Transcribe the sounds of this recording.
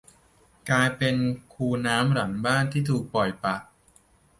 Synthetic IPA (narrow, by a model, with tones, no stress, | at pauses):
klaː˧jpe˧nkʰuː˧naː˦˥mɾa˩˦nbaː˥˩nt̪ʰiː˥˩t̪ʰuː˨˩k̚pɔ˨˩jpa˨˩ʔ̚